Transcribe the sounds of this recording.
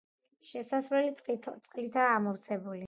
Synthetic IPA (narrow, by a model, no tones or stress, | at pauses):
ʃɛsasvɾɛlit̪sʼqʼlit̪ʰaːmɔvt̪sʰɛbuli